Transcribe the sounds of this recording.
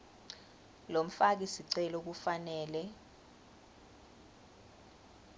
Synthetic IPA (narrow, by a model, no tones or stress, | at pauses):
lom̩fak̬isiǀɛlok̬ufanɛːlɛ